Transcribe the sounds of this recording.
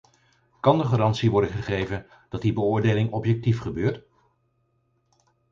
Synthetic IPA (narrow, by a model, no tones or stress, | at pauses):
kɑndəχaːɾɑntsiʋɔɹdəχəχejvən | d̥ɑt̚dibəʊːɹdejlɪŋɔpjɛk̚tifχəbøːɹt